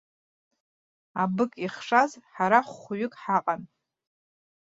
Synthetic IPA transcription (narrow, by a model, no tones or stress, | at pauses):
abɨkʼiχʂazħaɾaχʷɥʏɪkʼħaqʼan